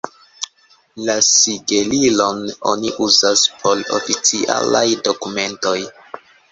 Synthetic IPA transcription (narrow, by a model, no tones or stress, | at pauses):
lasiɡe̞lilo̞no̞̰niʔuzaspʰo̞lo̰fit͡siʔa̰la̰jdo̞kume̞nto̞j